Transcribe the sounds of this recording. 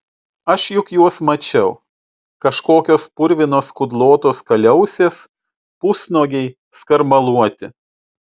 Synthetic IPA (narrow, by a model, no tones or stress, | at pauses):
ɐʃjʊkjuɔsmɐt͡ʃʲɛʊ | kɐʃkoːkʲoːspʊɾʲʋʲɪnoːskʊd̪lˠoːt̪oːskɐlʲɛʊsʲeːs | pʊsnoːɡʲɛɪ | skɐɾmɐlˠuɔt̪ʲɪ